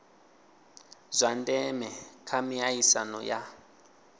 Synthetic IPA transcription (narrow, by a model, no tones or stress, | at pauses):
zʷandɛmɛkʰamiaisa̰nɔ̰ja